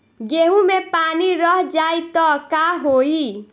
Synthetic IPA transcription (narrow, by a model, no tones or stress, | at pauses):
ɡeɦũmepaniɾəɦd͡ʒait̪ɔkaɦoi